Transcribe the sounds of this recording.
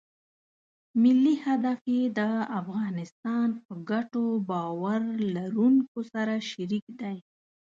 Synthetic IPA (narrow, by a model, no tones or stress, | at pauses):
mɪlːihad̪afed̪əafɣɑnɪst̪ɑnpəɡaʈobɑwaɾlaɾuŋkosaɾaʃaɾikd̪aj